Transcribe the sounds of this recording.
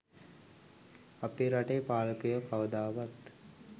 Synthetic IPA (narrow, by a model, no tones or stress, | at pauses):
apiɾaʈejpaːləkəjokawəd̪aːʋat̪